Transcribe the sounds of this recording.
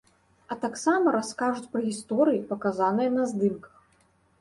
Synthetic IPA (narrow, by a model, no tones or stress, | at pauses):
ɐt̪aksamɐɾaskaʐut͡sʲpɾɐɣʲist̪ɔɾɨjipɐkazanɨjɐnɐzd̪ɨmkɐ̥x